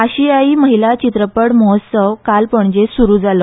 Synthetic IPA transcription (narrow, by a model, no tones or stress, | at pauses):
aɕijaiməɦilat͡ɕit̪ɾəpəɽmɔɦət̪səʋkalpəɳd͡ʑesuɾuːd͡zalə